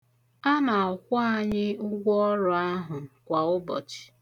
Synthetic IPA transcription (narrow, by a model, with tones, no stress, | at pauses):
a˦na˨ɔ˨kʷʊ˦a˦˨ɲɪ˦ʊ˦ɡʷɔ˦ɾʊ˨a˦ɦʊ˨kʷa˨ʊ˦bɔ̰˨t͡ʃɪ̥˨